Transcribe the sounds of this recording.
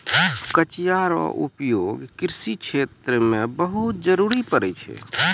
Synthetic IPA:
kət͡ʃijaɾɔ̰ʔṵpjoɡkɾsit͡ʃʰet̪ɾəmebəɦut̪̚d͡ʒəɾuɾipəɾɛt͡ʃʰɛ̰

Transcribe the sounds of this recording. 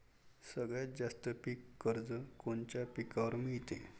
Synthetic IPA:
səɡɭjad͡zast̪əpikːəɾd͡zəkont͡ɕapikaʋəɾmiɭt̪e

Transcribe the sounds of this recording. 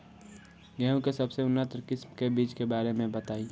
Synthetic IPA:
ɡɛːõkesɐbseʊnːət̪ɾkɪsmkebiːt͡ʃkebaːɾemẽbət̪aːi

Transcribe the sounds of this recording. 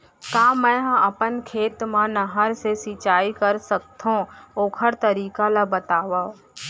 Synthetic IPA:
kaːmɛ̃ːɦɐpənkʰeːt̪mãnɐɦəɾsesit͡ʃaːikəɾsək̚t̪ʰõoːkʰəɾt̪əɾiːkalabət̪aːʋaː

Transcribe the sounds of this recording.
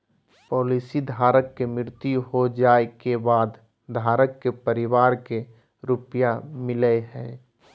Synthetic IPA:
pɔːliːsid̪ʱaːɾəkːemɪɾt̪iɦod͡ʒaːekebaːd̪ | d̪ʱaːɾəkːepəɾɪwaːɾke | ɾʊpjamɪləɦɛ̃ː

